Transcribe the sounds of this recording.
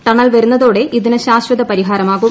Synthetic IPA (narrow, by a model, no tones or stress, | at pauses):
ʈɐɳːɐlʋɐɾunːɐðo̞ːɽe̞ʔiðinɨɕaːɕwɐðɐpɐɾiɦaːɾɐmaːɣum